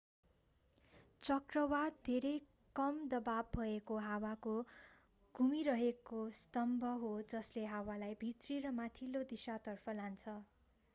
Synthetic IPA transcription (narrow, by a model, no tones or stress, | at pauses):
t͡sʌkrʌwad̪d̪ʱeɾʌj | kʌmd̪ʌbabːʱʌekoɦawako | ɡ̥ʱumiɾʌɦekost̪ʌmbʱʌɦod͡zʌsleɦawalajbʱit̪riɾʌmat̪ʰilod̪isat̪ʌrpʰʌlant͡sʰʌ